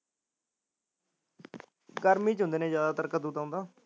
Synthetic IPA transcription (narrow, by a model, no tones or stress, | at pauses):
ɡəɾmĩːt͡ʃɦʊ̃nd̪eːnẽːzjaːd̪aːt̪əɾkəd̪uːt̪ãʊ̃ːnd̪aː